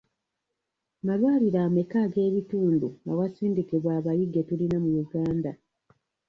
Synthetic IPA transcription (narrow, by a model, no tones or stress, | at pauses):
malwaːliɾaːme̞kaːɡe̞ːβituːnduawasiːndikiβwaːβajiɡe̞tulinamujuɡaːnda